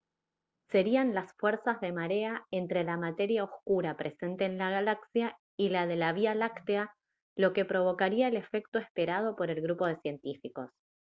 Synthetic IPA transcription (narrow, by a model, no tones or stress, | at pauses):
se̞ɾianlasfweɾsazðe̞maɾe̞ae̞nt̪ɾe̞lamat̪e̞ɾjao̞skuɾapɾʔe̞se̞nt̪e̞ːnlaɣ̞alaksja | ilað̞e̞laβialakt̪ea | lo̞ke̞pɾo̞βo̞kaɾiaele̞fe̞k̚t̪oespe̞ɾað̞o̞po̞ɾe̞lɣɾupo̞ðe̞sje̞nt̪ifiko̞s